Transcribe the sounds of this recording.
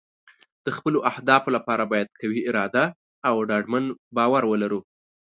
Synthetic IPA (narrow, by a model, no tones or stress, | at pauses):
d̪̥əxpəloʔahd̪ɑfolapɑɾabɑjad̪̚kawiɪɾɑd̪aː | wɖɑɖmanbɑwaɾwəlaɾu